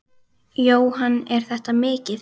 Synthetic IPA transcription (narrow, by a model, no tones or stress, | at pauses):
joːwhanːɛɾ̥θɛht̪amɪːcɪð